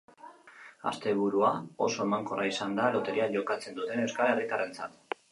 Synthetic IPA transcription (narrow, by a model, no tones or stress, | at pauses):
a̰st̪e̞β̞uɾuao̞̰so̞e̞maŋko̞raisand̪alo̞t̪e̞ɾiaʎo̞kat͡se̞nd̪ut̪e̞newskalerit̪are̞nt͡sat̪